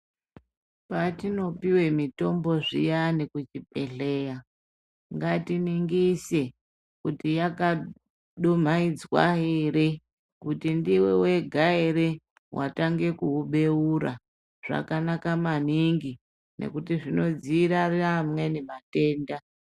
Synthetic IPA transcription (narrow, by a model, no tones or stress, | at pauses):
patino̞piwe̞mito̞mbo̞ʐḭjanekut͡ʃipe̞ɬe̞ja | ŋɡatiniŋɡise̞ | kutijaka | ɗom̤aid͡zwa̰ɦiɾe | kutindiwe̞we̞ɡʱaeɾe | wʔa̰taŋɡe̞kuuɓe̞uɾa̰ | ʐ̥a̰kanakamaniŋɡi | nʔḛkutiʐino̞d͡ziɾariamwe̞nimate̞ːnda